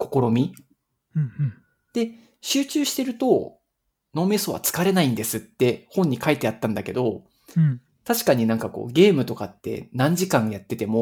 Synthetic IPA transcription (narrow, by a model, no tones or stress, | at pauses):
ko̞ko̞ɾo̞mʲi | d̪̥e̞ | ɕɨːt͡ɕɨːɕi̥t̪e̞ɾɯ̟t̪o̞ | no̞ːme̞so̞ːβa̰t͡sɨ̥kaɾe̞naĩnd̪e̞sɨt̪ːe̞hõ̞ɲ̟ːikait̪e̞at̪ːãnd̪ake̞d̪o̞ | t̪aɕi̥kaɲ̟inãŋkako̞̰ːɡʲe̞ːmɯ̟t̪o̞kat̪ːe̞̰nãɲ̟d͡ʑikãɰ̃jat̪ːe̞t̪e̞mo̞